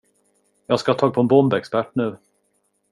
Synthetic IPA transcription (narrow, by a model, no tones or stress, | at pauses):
jɑːɡskat̪ʰɑːɡ̚pʰɔɛnbɔmbɛkspæʈːnɳʉ̟ː